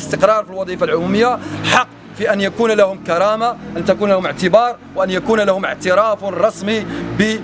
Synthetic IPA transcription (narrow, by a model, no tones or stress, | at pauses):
əst̪əqɾˤɑɾˤfilwɑd̪ˤiːfalʕʊmuməjːaħɑqː | fiʔænjakuːnlahʊmkɑɾˤɑmaʔænt̪ækuːnlæhʊməʕt̪əbɑːɾˤwʔænjakuːnlahʊməʕt̪əɾɑːfɾˤɑsˤmibə